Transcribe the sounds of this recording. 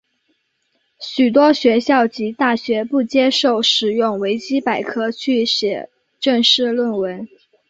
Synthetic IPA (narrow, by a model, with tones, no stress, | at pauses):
ɕy˨˩t̪wɔ˥ɕɥɛ˧˥ɕjɑ˥˩ʊt͡ɕi˧˥t̪a˥˩ɕɥɛ˧˥pu˥˩t͡ɕjɛ˥ʂo˥˩ʊʂɻ̩˨˩jʊ˥˩ŋwe˧˥ɪt͡ɕi˥pa˨˩ɪkʰɤ˥t͡ɕʰy˥˩ɕɥɛ˨˩ | ʈ͡ʂə˥˧ŋʂɻ̩˥˧lwə˥˩nwə˧˥n